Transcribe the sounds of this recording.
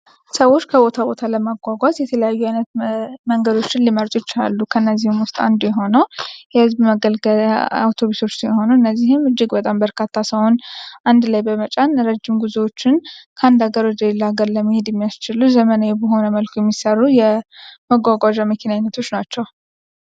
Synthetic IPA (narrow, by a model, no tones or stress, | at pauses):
səwo̞t͡ʃːkʰəbo̞t̪ʰabo̞t̪ʰaləmaɡʷaɡʷazjɛt̪ʰələjajːuajnət̪məŋɡəd̪o̞t͡ʃːɪnliməɾt̪ʼot͡ʃːa̰lːukʰənːəzːihɪmwʊst̪ʼa̰nd̪ujɛɦo̞nəwjɛhɨzbməɡəlɡəla̰wt̪ʰo̞βuso̞t͡ʃːsjho̞nəɨnːəzːihɪmɨd͡ʒːɪɡbət̪ʼambəɾkʰat̪ʰːasəwonʔand̪lajbəmət͡ʃʼanɾəd͡ʒːɪmɡuzewo̞t͡ʃːɪnkʰəand̪aɡəɾod͡ʒɛlːaɡəɾləmːihed̪jɛmːijast͡ʃɪluzəmənajɛbəɦo̞nəməlkʰojɛmːisərːujɛməɡʷaɡʷad͡ʒaməkʰinaɲnːət̪ʰo̞t͡ʃːnat͡ʃːɛw